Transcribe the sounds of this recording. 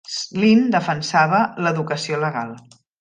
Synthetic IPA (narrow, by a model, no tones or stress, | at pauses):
slind̪əfənsaβ̞ələðukəsioləɣa̰lˠ